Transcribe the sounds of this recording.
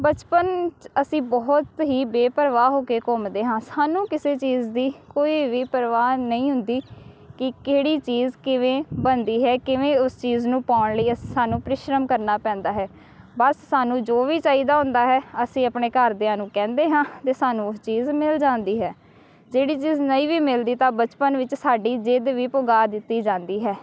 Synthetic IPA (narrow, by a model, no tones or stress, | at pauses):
bət͡ʃpənt͡ʃəsĩːbɔːt̪ɦiːbeːpəɾʋaːɦoːkeːkɔːmd̪eːɦãːsaːnũːkɪseːt͡ʃiːzd̪iːkoːiːʋiːpəɾʋaːnəĩːɦʊ̃nd̪iː | kɪkeːɽiːt͡ʃiːzkɪʋẽːbənd̪iːɦɛːkɪʋẽːʊst͡ʃiːznũːpaːʊɳləiːəssaːnũːpɾɪʃɾəmkəɾnaːpɛ̃ːnd̪aːɦɛː | bəsːaːnũːd͡ʒoːʋiːt͡ʃaːiːd̪aːɦʊ̃nd̪aːɦɛːəsĩːəpneːkəɾd̪ɪãːnũːkɛ̃ːnd̪eːɦãːt̪eːsaːnũːʊst͡ʃiːzmɪld͡ʒãːnd̪iːɦɛː | d͡ʒeːɽiːt͡ʃiːznəĩːʋiːmɪld̪iːt̪ãːbət͡ʃpənʋɪt͡ʃsaːɖiːd͡ʒɪd̪ʋiːpʊɡaːd̪ɪt̪ːiːd͡ʒãːnd̪iːɦɛː